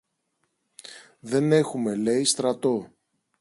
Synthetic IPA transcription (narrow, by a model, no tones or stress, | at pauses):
ðe̞ne̞xume̞le̞ist̪ɾɐt̪o̞